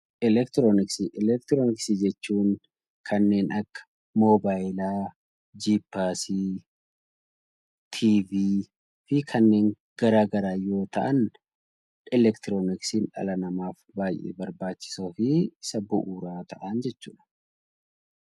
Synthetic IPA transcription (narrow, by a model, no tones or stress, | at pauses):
ʔɪlɛkt̪ɾoːnɪksiʔɪlɛk̚t̪ɾoːnɪksid͡ʒɛt͡ʃːuːŋ | kʰɐnːe̞ːnʔɐkːɐ̥ | moːbaːjlaː | d͡ʒiːpːaːsi | t̪ʰiːviː | fɪkʰɐnːe̞ːŋ | ɡ̥ɐɾaːɡɐɾaːjo̞ːt̪ɐ̰ʔɐn | ʔɪlɛkt̪ɪɾoːnɪksiːnᶑɐ̰lɐnɐmaːfbaːjʔḛːbɐɾbaːt͡ʃːɪ̥soːfɪɪsɐbʊʔuːɾaːt̪ɐʔɐnd͡ʒɛt͡ʃːuːᶑɐ̥